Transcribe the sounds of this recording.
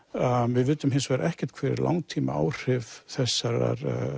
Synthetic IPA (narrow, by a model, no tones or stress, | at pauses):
avɪðvɪːt̪ːʏmɦɪnsvɛɾʔɛhcɛ̥t̪kʰvɛːɾɛ̰ɾlʔa̰wŋt̪ʰiːma̰a̰ːwr̥ɪvθɛsːaɾa̰ɾ